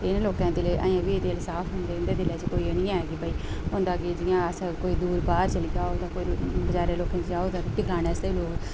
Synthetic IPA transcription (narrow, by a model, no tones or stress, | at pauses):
t̪enːloːkãːd̪ileːʔa̰ːjãːʋiːet̪eːlsaːpʰɦʊ̃nd̪eːʊnd̪eːd̪ɪleːt͡ʃkoːiːnĩːaːeːɡiːbaːiːɦõːnd̪aːkɪd͡ʒɪːjãːəskoːiːd̪uːɾbaːɾt͡ʃəliːaːod̪ãːkoːibəd͡ʒaːɾeːloːkãːt͡ʃd͡ʒaːoːd̪ãːt̪ɪkaːneːəsd̪eːiloːk